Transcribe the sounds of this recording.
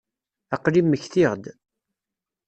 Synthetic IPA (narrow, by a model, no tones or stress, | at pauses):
æqlimːəçθiʁd̪